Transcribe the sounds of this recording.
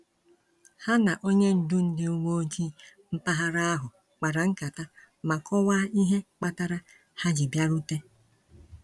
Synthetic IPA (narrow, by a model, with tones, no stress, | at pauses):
ha˦na˨ʔo˦ɲe˦n̩˨dʊ˦n̩˨dɪ˦ʊ˦ŋo˦o˦d͡ʒi˦m̩˦pa˦ɦa˦ɾa˦a˦ɦʊ˨ | k͡pa˨ɾa˨ŋ̩˦ka˨ta˦ | ma˨kɔ˦wa˦i˦ɦe˦k͡pa˦ta˦ɾa˦ | ha˦d͡ʒi˨bja˦ɾu˦te˦